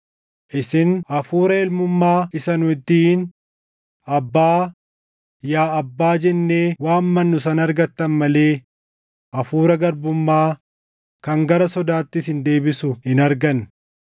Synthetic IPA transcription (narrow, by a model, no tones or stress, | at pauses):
ʔɪsɪnɐfuːɾɐɛlmʊmːaːɪsɐnʊɪt̪ːiɪn | ɐbːaː | jaːɐbːaːd͡ʒɛnːe̞ːwaːnmɐnːʊsɐnɐɾɡɐt̪ːɐnmɐle̞ː | ʔɐfuːɾɐɡɐɾbʊmːaː | kɐŋɡɐɾɐsɔd̪aːt̪ːɪsɪnd̪e̞ːbɪsʊhɪnɐɾɡɐn